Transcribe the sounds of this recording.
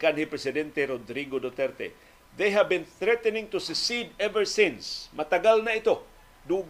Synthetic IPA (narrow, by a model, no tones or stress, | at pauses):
kanhipɾɛsɪd̪ɛnt̪eɾod̪ɾiɡod̪ot̪ɛɾt̪ḛ | ðejɦavbɪ̃nθɾɛt̪ɛnɪ̃ŋt̪usʊksid̪ɛvə˞sɪ̃nsmat̪aɡalnaɪt̪o | d̪ʊ